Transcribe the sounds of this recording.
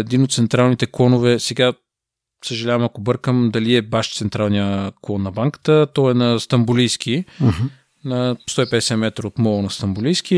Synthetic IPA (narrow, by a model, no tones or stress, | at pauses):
ɛd̪inot̪t̪sɛnt̪ɾalˠnit̪ɛklˠɔnovɛsɛɡa | səʒɐlʲavɐmɐkobɤɾkəmd̪ɐliɛbaʃt̪sɛnt̪ɾalˠnijəklˠɔnːɐbaŋkə̥t̪ət̪ɔɛnɐst̪ɐmbulijsk̟i | nɐst̪ɔipɛd̪ɛsɛmɛt̪ɾəot̪mɔlˠnɐst̪ɐmbʊlijsk̟i